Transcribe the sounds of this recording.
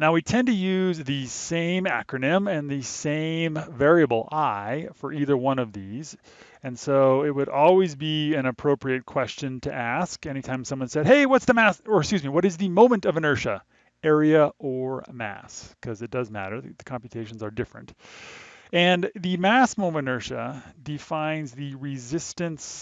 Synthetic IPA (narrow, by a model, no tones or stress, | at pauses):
naʊwitʰɛ̃ntɨjʉzðɨsẽɪ̃mæ̰kɹɨnɪ̃mɨ̃nðɨsẽɪ̃mvɛɹiɨbl̩ˠaɪfə˞ʔiðə˞wʌ̃nʌvðiz | ɨ̃nsoʊɪt̚wɨɾɔlˠwizbiɨ̃ñɨpʰɹ̥oʊpɹiɨt̚kʰw̥ɛst͡ʃɨ̃ntʰɨ̰ʔæskɛñitʰãɪ̃msʌ̃mwʌ̃nsɛd̚ɦeɪwʌtsðɨmæsə˞skjʉzmiwʌɾɨzðɨmõʊ̃mɨ̃ntʌvɨ̃nɜ˞ʃɨ | ɛɹiɨə˞mæ̰skʰʌzɨt̚d̥ʌzmæ̰ɾə˞ðɨðɨkʰɑ̃mpjɨtʰeɪʃn̩zə˞dɪfɹɨ̰̃nt | ɨ̃nðɨmæsmõʊ̃mɨ̃nɜ˞ʃɨ̰dɨfãɪ̃nzðɨɹɪzɪstɨ̃ns